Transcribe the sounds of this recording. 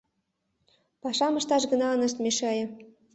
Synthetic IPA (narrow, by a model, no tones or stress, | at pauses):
pɑʃɑmə̆ʃt̪ɑʃɡɤ̆nɑɤnɤ̆ʃt̪meʃeɑjɤ̆